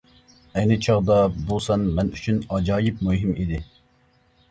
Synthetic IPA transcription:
ɛjnɨt͡ʃʰɑʁd̪ɑbolˠsɑnmɛnyt͡ʃʰynɑd͡ʒɑːjip̚muɦimid̪ɪ

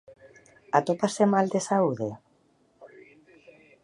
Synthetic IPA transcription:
at̪opasemald̪esauðe

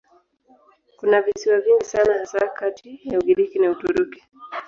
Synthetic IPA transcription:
kunavisiwaviŋɡisanahasakatijauɡiɾikinautuɾuki̥

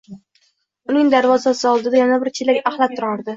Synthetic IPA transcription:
ʊnɪŋd̪aɾvɒzasɪɒlˠd̪ɪd̪ajanabɪɾt͡ʃʰelakʲahlˠatt̪ʰːʊɾɒɾd̪ɪ

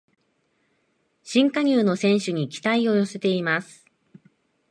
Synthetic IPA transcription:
ɕĩŋkaɲ̟ʲɨːno̞sẽ̞ɰ̃ɕɨɲ̟ikʲi̥t̪aio̞jo̞se̞t̪e̞imasɨ̥

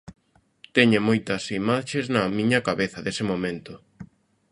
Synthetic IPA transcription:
t̪ɛɲemojt̪ɐsimaʃeznɐmĩɲɐkaβeθɐðesɪmomẽnt̪ʊ

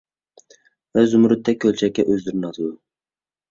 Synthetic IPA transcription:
vɛzʊmɾɨt̪ʰːɛk̚ʲʰːølt͡ʃʰɛkʲːɛʔøzd̪ɪɾɪnɑt̪ʰɨd̪ʊ

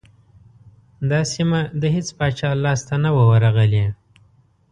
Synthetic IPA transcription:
d̪ɑsimad̪əɦet͡spɑt͡ʃɑlɑst̪anawəwaɾaɣəle

